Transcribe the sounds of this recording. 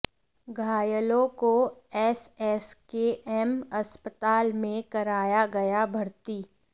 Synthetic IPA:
ɡʱaːjəlõkoɛsɛskeʔɛmɐspət̪aːlmẽkɐɾaːjaɡɐjabʱɐɾt̪iː

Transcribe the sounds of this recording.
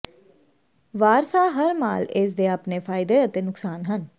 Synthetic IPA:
ʋaːɾsaːɦəɾma̰ːlɪs̬d̪eːaːpneːfʰaːɪd̪eːət̪eːnʊksaːnɦən

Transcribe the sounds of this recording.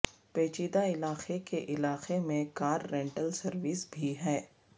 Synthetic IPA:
peːt͡ʃiːd̪aɪlaːxekeʔɪlaːqemẽkaːɾːɛ̃ɳʈəlsɐɾʋɪsbʱiɦɛː

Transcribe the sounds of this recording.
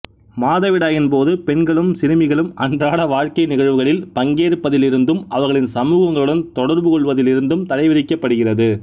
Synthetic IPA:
maːðɐʋɪɽaːɣɪnpoːðɯpɛɳɡɐɭɯmsɪɾɯmɪɣɐɭɯmɐndraːɽɐʋaːɻkɐɪnɪɣɐɻʋɯɣɐɭɪlpɐŋɡeːɾɯpːɐðɪlɪɾɯnd̪ɯmɐʋɐɾɣɐɭɪnsɐmuːɣɐŋɡɐɭɯɽɐnt̪ɔɽɐɾbɯkɔɭʋɐðɪlɪɾɯnd̪ɯmt̪ɐlɐɪʋɪðɪkːɐpːɐɽɯɣɪrɐðɯ

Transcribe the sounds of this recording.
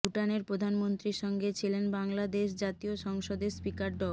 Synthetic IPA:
uʈaneɾppɾod̪ʱanmont̪ɾiɾʃɔŋɡet͡ɕʰilenbaŋlad̪eʃ̬d͡ʑat̪ioʃɔŋʃod̪eɾspikaɾɖɔ

